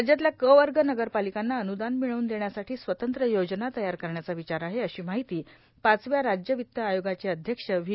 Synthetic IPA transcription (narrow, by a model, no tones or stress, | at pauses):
d͡ʑjat̪ljakəʋəɾɡənəɡəɾpalikanːaənud̪anmiɭəuːnd̪eɳjasaʈʰiːsʋət̪ənt̪ɾəjod͡ʑnat̪əjaɾkəɾɳjat͡saʋit͡ɕaɾaɦeəɕiːmaɦit̪iː | pat͡sʋjaɾad͡ʑjəʋit̪ːəajoɡat͡ɕeəd̪ʱjəkʂəʋi